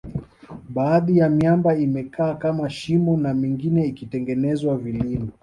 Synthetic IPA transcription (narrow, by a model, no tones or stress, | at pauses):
ɓaːðijamjambaimɛkaːkamaʃimɔnamiŋɡinɛikitɛŋɡɛnɛzwavilimɔ